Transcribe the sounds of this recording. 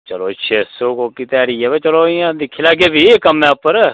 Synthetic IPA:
t͡ʃəloːʃʰeːsoːkoːkit̪ɛːɽiːɛːʋɛːt͡ʃəloːɪjãːd̪ɪkʰːeːlaːɡeːbiːkəmɛ̃ːpəɾ

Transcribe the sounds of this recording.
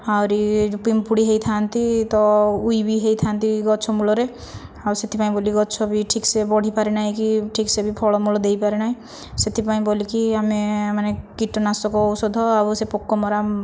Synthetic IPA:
awɾipimpuɽiɦeit̪ʰant̪it̪ɔujbiɦejt̪ʰant̪iɡɔt͡ʃʰɔmulɔɾe | abuset̪ʰipaĩboliɡɔt͡ʃʰɔbiʈʰiksebɔɽ̤ʱipaɾinaɦĩkiʈʰiksebipʰɔɭɔmulɔd̪eipaɾenaɦĩ | set̪ʰipaĩbolikiamemanekiʈːɔnasɔkɔɔwsɔd̪ʱɦɔabusepɔkːɔmɔɾa

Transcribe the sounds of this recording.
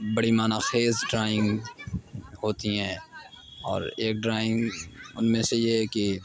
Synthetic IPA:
bɐɽimaːnaxeːzɖɾaːɪ̃ŋɡ | hoːt̪iɦɛ̃ː | ɔːɾeːk̚ɖɾaːɪ̃ŋɡʊ̰nmẽsejeɦɛki

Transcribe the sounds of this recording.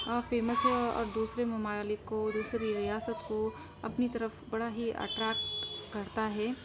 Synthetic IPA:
aːfeːməsɔ̰ːɾd̪uːsɾemɐmaːlɪkːod̪uːsɾiɾijaːsət̪ko | ɐpnit̪ɐɾəfbɐɽaɦiʔɐ̰ʈɾaːkːɐɾt̪aɦɛː

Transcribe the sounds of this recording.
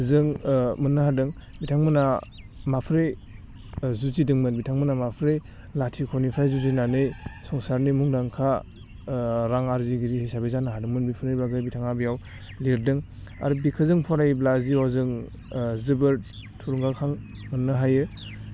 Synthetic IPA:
zɯŋmɯnːɯɦadɯŋbitʰaŋmɯna | mapʰɾe | zuzidɯŋmɯnbitʰaŋmɯnamapʰɾe | latʰikʰɔnipʰɾajzuzinanɯjsɔŋsaɾnimuŋdaŋkʰa | ɾaŋaɾziɡiɾihijsabezanaɦadɯŋmɯnbipʰɯɾijbaɡɯjbitʰaŋabijaw | liɾdɯŋ | a̰ɾubikʰɯzɯŋpʰɔɾajblaziɔzɯŋ | zɯbɯɾ̚tʰːuɾuŋɡalkʰaŋmɯnːɯɦajɯ

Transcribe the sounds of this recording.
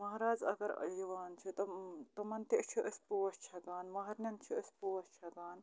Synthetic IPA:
mɐɦɾaːzɐ̰ɡɐɾɐ̰liʋaːnt͡ʃʰit̪ɐt̪ɐmɐnt̪iʔt͡ʃʰiʔəsʲpuːɐst͡ʃʰɐɡaːnmɐɦɐɾnʲɐnt͡ʃʰiəsʲpuʋɐst͡ʃʰɐɡaːn

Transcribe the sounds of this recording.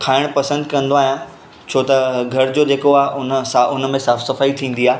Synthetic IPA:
kʰaːɪɽ̃pɐsə̃nd̪kɐ̃nd̪oaːɦijã | t͡ɕʰoːt̪ɐɡʱɐɾd͡ʑoːd͡ʑeːkoaːɦʔʊnsaʊnmẽsaːfsɐfaːit̪ʰĩːn̆d̪iaː

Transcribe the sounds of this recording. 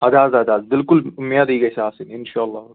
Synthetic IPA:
ɐd̪aːzɐd̪aːzbɪlkʊlmːijad̪iːɡɐjsaːsinɪnʃaːlːaː

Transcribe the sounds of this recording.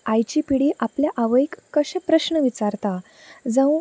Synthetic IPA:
ajt͡ɕipiɽiːʔapljaʔaʋəjkːəɕẽpɾəɕnəʋit͡saɾt̪a | d͡zə̃

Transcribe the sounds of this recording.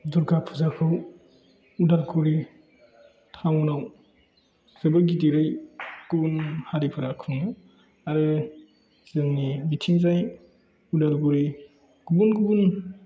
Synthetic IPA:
duɾɡapʰuzakʰɯw | udalɡʰuɾi | tʰamunaw | zɯbəɡidiɾajɡ̥ubunhaɾipʰɯɾakʰuŋɯ | aɾɯ | z̥ɯŋnibitʰiŋzaj | udalɡuɾi | ɡ̥ubunɡubun

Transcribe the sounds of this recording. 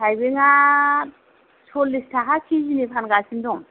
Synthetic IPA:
kʰajbeŋa | sʰɔlːistʰaɦakʰizinipʰanɡasindɔŋ

